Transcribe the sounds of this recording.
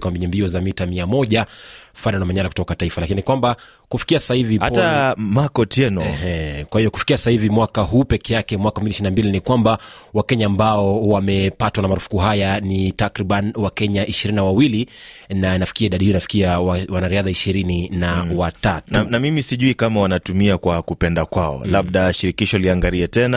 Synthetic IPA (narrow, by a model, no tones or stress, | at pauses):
kwambiɲɛmbiɔzamitamiamɔʄafaɗanamaɲalaku̥tɔkataifalakinikwamba | kufi̥kiassahivihaptamakɔtɛnɔɛhɛkwahijɔkufi̥kiasahivimwakaɦuːpɛkɛjakɛmwakafmbiʃinambilinikwambawakɛɲaːmbaɔwamɛpatwanamaɾufu̥kuɦajanitakɾiɓanwakɛɲaʔiʃiɾininawawili | nanafi̥kiaiɗaɗihiɔinafi̥kiawawanaɾiaðaiʃiɾininawatatunnamimisiʄuikamawanatumiakwakupɛndakwaɔ̰laɓ̚ɗaʃiɾikiʃɔliaŋɡaɾiɛtɛna